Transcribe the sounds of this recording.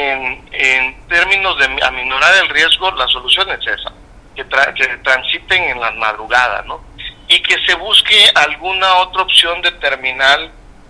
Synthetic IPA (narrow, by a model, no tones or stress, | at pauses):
enent̪e̞ɾmĩno̞zðema̰mino̞ɾaɾe̞lrje̞zɣo̞laso̞lusjo̞nesesa̰ | ket̪ɾaket̪ɾansit̪e̞ŋenlama̰ð̞ɾuɣað̞a̰no̞ | ike̞se̞βuskealɣunao̞t̪ɾaopsjo̞nd̪e̞t̪e̞ɾmĩnal